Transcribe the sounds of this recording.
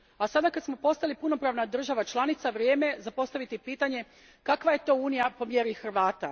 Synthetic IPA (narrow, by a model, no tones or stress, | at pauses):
asad̪akad̪smo̞po̞st̪alipuno̞pɾaːʋnad̪r̩ʒaʋat͡ʃlˠanit̪saʋɾjeːme̞zapo̞st̪aʋit̪ipiːt̪aɲe̞ | kakʋaje̞t̪o̞uːnijapo̞mjeɾixr̩ʋaːt̪a